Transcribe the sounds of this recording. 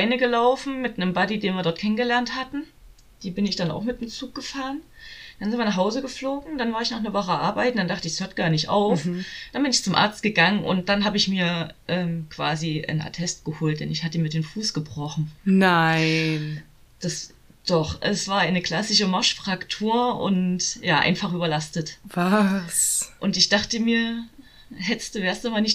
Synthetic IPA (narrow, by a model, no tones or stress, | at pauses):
aɪnəɡəlaʊfn̩mɪtnəmbadideːnviːɐdɔɐtkʰɛnənɡəlɛɐnthatn̩ | d̥iːbɪnɪçd̥ana̰ʊxmɪtɪmt͡suːk̚ɡ̥əfaːʁənd̥anzɪntviːɐnaɐχhɦaʊzəɡəfloːɡŋ̩d̥anvaːɪçnaːχnəvɔχəʔa̰ɐbaɪtnd̥andaχtəɪçshøːɐtɡ̥aːɐnɪçtʔa̰ʊfd̥anbɪnɪçt͡sʊmʔa̰ɐt͡st̚ɡ̥əɡaŋənʔʊ̰nt̚d̥anɦaːbəɪçmiːɐ | ʔɛːmkv̥a̰ːziʔə̰nʔa̰tʰɛstɡ̥əhoːlt̚d̥ɛnɪçhatəmiːɐdeːmfuːsɡ̥əbʁɔχn̩naɪn | d̥as | d̥ɔχʔɛsv̥aːɐʔaɪnəkl̥asɪʃəmaɐʃfʁ̥aktʰuːɐʔʊ̰ntjaːʔa̰ɪnfaχʔyːbɐlastətvasʔʊntɪçd̥aχtəmiːɐ | ɦɛtə̥std̥uːveːɐstdumaːnɪç